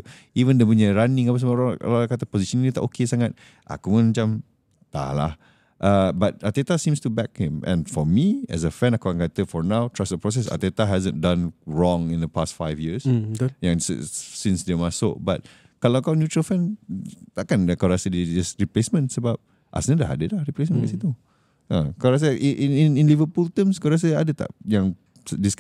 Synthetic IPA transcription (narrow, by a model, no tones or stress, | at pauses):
ivə̃ndɛpuɲaɹanɪ̃ŋapas̬ama̰aakat̪apɔziʃə̃ninit̪aʔokʰesaŋat̚ | ʔa̰kumãnmãt͡ʃam | t̪a̰la̰h | ʔabat̚at̪et̪asĩmstubɛk̚hɪ̃mʔɛ̰̃nfɔmiɛ̰s̬əfɛ̃nakaakãnkat̪əfɔɹnãwtʰɹasdəpɹɔs̬ɛsa̰t̪ɛt̪aɦɛzə̃ndãnɹɔ̃ŋĩnd̪əpastfaɪvjisjãŋssĩnsdemasobat̚ | kaloakawnjutɹəlfɛ̃n | akãnakaɹasədidisɹiplesmə̃nsəbap̚ | ʔa̰snə̃laha̰dədlaɹiples̬mə̃nɛ̰sit̪u | ãkaɹas̬aʔʔinĩnĩnlivəpult̪ə̃mskaɹas̬əadət̪a̰ʔjãŋ | dis